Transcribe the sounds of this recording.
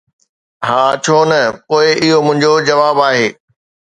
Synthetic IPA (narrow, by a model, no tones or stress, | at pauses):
ɦaːt͡ɕʰoːnɐpoːɪʔɪɦomʊ̃ɦɪ̃ɲd͡ʑod͡ʑɐʋaːbaːɦeː